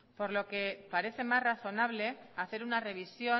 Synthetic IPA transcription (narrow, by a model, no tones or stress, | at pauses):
po̞ɾlo̞ke̞paɾe̞θe̞masraθo̞naβ̞le̞aθe̞ɾunare̞β̞isjo̞